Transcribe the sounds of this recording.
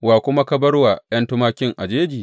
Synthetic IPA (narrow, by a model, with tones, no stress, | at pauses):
waː˨kʷʊ˦ma˦kɐ˦bɐ˦rwa˨jɐ˦ntʊ˦maː˦kʲɪ˦ŋʔa˨d͡ʒeː˦d͡ʒiː˨